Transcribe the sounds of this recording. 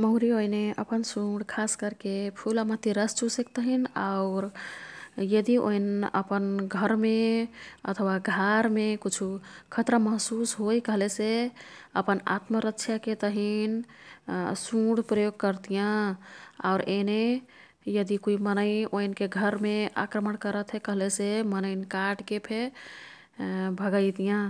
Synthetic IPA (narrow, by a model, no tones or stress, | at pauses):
məɦɾioineʔəpənsũɽkʰaskəɾkepʰuləmət̪iɾəst͡ʃusek̚t̪əɦinaʊɾ | jəd̪iʔo̰inə̰pənɡʱəɾmeə̰t̪ʰwaɡʱaɾmekut͡ʃʰukʰət̪ɾəməɦsusɦojkəɦlese | ə̰pəna̰t̪məɾəkʃʰjaket̪əɦin | suɽpɾəjoɡ̚kəɾt̪ijã | a̰ʊɾene | jəd̪ikoimənəɪoinkeɡʱəɾmea̰kɾəmənkəɾət̪ɦɛkəɦlesemənəɪnkaʈkepʰe | bʱəɡəɪt̪ijã